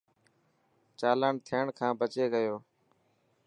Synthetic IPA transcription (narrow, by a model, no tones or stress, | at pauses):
t͡ʃaːləɳt̪ʰɪəɳkʰãːbʱət͡ʃeːɡəjoː